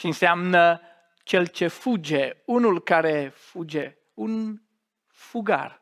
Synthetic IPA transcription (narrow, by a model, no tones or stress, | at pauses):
ʃinsamnə | t͡ʃelt͡ʃefud͡ʒeunulkaɾefud͡ʒe | un | fuɡa̰r